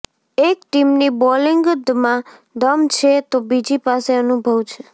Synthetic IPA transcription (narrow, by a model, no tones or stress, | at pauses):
ekʈimnibɔliŋɡd̪mãd̪əmt͡ʃʰet̪obid͡ʒipaseənubʱəʋt͡ʃʰe